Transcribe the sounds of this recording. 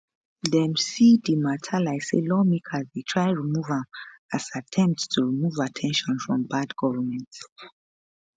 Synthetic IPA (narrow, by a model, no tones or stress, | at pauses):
dɛmsidimatʰalaɪselɔmikʰazðetʰɹ̥aɪɹimuvãmasatʰɛ̃mp̚ttʰuɹimuvatʰɛ̃nʃɔ̃nfɹɔ̃mbadɡɔvəmɛ̃nt